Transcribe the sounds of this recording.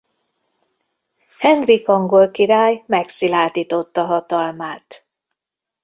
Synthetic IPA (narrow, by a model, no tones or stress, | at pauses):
hɛnd̪rikɒŋɡo̞lkiɾaːjmɛksilaːt̪iːt̪o̞t̪ːɒɦɒt̪ɒlmaːt̪